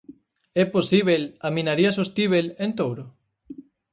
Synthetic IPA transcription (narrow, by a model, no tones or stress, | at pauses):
ɛposiβelamĩnaɾiasost̪iβelent̪owɾo